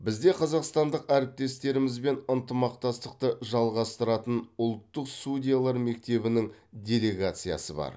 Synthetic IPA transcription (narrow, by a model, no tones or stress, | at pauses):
bɪzd̪e̞qʰɑzɑqst̪ɑnd̪əqæɾɪp̚t̪e̞st̪e̞ɾɪmɪzbe̞nənt̪əmɑq̚t̪ɑst̪əqt̪əʒɑlˠʁɑst̪əɾɑt̪ənʊlˠt̪ːəqsudʲijalˠɑɾme̞k̚t̪e̞bɪnɪŋdʲe̞lʲe̞ɡat̪sɨja̰səbɑ̰ɾ